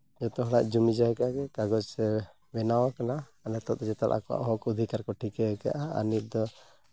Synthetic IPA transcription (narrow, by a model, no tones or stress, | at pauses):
d͡ʒɔt̪ɔɦɔla̰ʔd͡ʒumid͡ʒaɦɛkaaɡɛkaɡɔt͡ʃsɛ | bɛnawakanaː | nɛt̪ɔ̰d͡ʒɛt̪alʔa̰kɔwa̰ʔɦɔkud̪ʱikaɾkɔʈʰikɛɛka̰ʔaa̰nit̪̚d̪ɔ